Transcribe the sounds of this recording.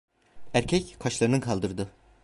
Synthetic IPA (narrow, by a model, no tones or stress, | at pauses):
æɾcʰɛckʰaʃlˠaɾɯnkʰalˠd̪ɯɾd̪ɯ